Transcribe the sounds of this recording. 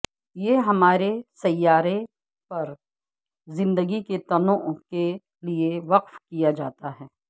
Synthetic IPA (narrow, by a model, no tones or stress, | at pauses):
jeːɦɐmaːɾesɐjːaːɾe | pɐɾ | zɪ̃nd̪əɡiket̪ɐnoʔke | lieʋɐqfkijad͡ʒa̰ːt̪aɦɛː